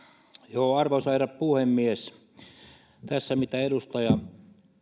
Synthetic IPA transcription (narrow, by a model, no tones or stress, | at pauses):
joːɑrʋosɑirɑppuhemːies | t̪æsːæmit̪æedust̪ɑjɑ